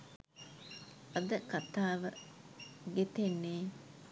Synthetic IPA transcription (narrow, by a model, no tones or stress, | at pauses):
ʔɐd̪əkat̪aːʋə | ɡet̪enːeː